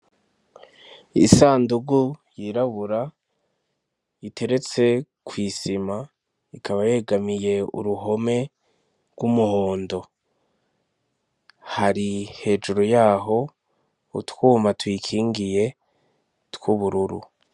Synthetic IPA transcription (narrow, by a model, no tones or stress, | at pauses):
isaːnduɡujiɾaβuɾa | itʰe̞ɾe̞t͡se̞ | kwiːsima | ikʰaβaje̞ːɡamije̞ṵɾuɦo̞me̞ | ɡwumuho̞ːndo̞ | haɾihe̞ːd͡ʒuɾojaːɦo̞ | utwuːmatwiːkʰiːŋɡije̞ | tkuβuɾuɾṵ